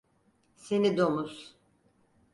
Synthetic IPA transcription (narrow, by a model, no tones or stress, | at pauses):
senid̪o̞mus